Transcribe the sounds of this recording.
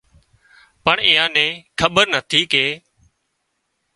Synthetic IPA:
pəɳĩːãːnẽːkʰəɓəɾnət̪ʰiːkeː

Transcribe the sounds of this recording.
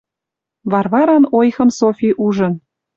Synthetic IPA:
βɑrβɑɾɑnojxɤ̆msofʲiʔuʒɤ̆n

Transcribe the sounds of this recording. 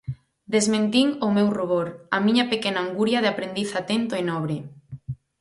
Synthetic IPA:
d̪ezmẽnt̪iŋomewruβoɾɐmĩɲɐpekenaːŋɡuɾjaðeapɾend̪iθat̪ent̪oenɔβɾe

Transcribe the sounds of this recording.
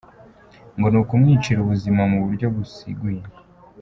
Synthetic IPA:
ŋɡo̞nukumŋiːt͡ʃiɾuβuzimamuβuɾɟo̞ɡusḭɡuje

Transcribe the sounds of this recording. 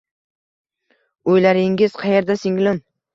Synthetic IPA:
ojlaɾɪŋɪz̥qʰɑje̞ɾd̪asɪŋlɪn

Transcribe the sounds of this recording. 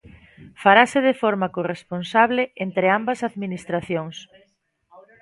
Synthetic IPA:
faɾasɪðefoɾmakoresponsaβleent̪ɾeambɐsaðminist̪ɾaθjoŋs

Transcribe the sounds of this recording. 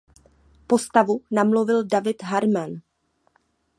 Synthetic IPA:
po̞st̪avunamlovɪldavɪt̪ɦaɾman

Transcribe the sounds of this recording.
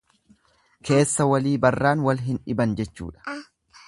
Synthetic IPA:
kʰe̞ːsːɐwɐliːbɐrːaːnwɐlɦɪnᶑɪbɐnd͡ʒɛt͡ʃːṵːᶑɐ̥

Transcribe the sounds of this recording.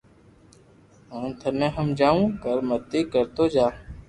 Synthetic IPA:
ə̃ːnt̪ʰənẽːɦəmd͡ʒaːũːkəɾmət̪iːkəɾt̪oːd͡ʒaː

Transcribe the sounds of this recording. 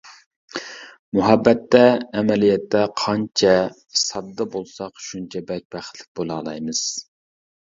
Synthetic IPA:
muɦɛbːɛt̪ʰːɛːmɛlijɛt̪ːɛqʰɑnt͡ʃʰɛ | sɑb̪̚d̪ɑbolˠsɑqʃunt͡ʃʰɛbɛk̚ʲbæχt̪lɪ̥k̚ʲbolˠɑːlˠɑjmɨz̥

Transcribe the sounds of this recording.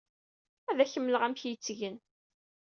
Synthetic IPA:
æðæçəmːələʁæmçjət͡sːʝən

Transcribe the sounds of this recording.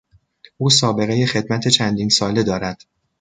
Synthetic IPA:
ʔuːsɒːbe̞ɣe̞je̞xe̞d̪mæt̪ʰe̞t͡ʃʰænd̪iːnsɒːle̞d̪ɒːɾæd̪̥

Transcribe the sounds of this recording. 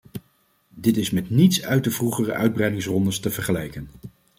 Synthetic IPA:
dɪtɪsmɛtnitsœɥt̚dəvruχərə̰ʔœɥd̚brɛjdɪŋsrɔndəstəvəɹχəlɛjkən

